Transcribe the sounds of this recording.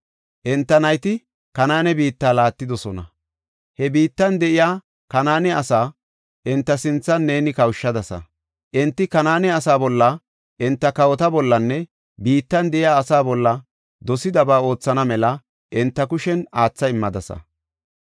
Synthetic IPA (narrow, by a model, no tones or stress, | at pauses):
ʔɛnt̪ːɐnɐjt̪ɪ | kɐnaːnɛbiːt̪ːaːlaːt̪ːɪd̪ɔsɔnɐ | hɛbiːt̪ːɐnd̪ɛʔɪjaː | kɐnaːnɛɐsaː | ʔɪnt̪ːɐsɪnt͡sːɐnːeːnɪkɐwʃːɐd̪ɐsɐ̰ | ʔɪnt̪ːɪkɐnaːnɛɐsaːbɔlːɐ | ʔɪnt̪ːɐkɐwɔt̪ɐbɔlːɐnːɛ | biːt̪ːɐnd̪ɛʔɪjaːsaːbɔlːɐ | d̪ɔsɪd̪ɐbaːo̞ːt͡sːɐnɐmɛlɐ | ʔɪnt̪ːɐkʊʃɛnaːt͡sːɐɪmːɐd̪ɐsɐ̰